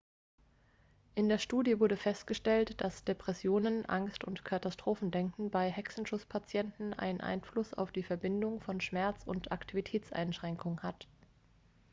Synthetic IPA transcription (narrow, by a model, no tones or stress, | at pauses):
ʔɪndeːɐʃtuːdjəvʊɐdəfɛstɡ̥əʃtɛltd̥asd̥epʁ̥ɛsjoːnənʔa̰ŋstʊ̰ntkʰatastʁ̥oːfn̩dɛŋkn̩baɪɦɛksn̩ʃʊt͡spʰat͡sjɛntn̩ʔa̰ɪnənʔa̰ɪnflʊsa̰ʊfd̥iːfɛɐbɪndʊŋfɔnʃmɛɐt͡sʊntʔa̰ktʰivitʰɛːt͡sʔa̰ɪnʃʁ̥ɛŋkʊŋənhat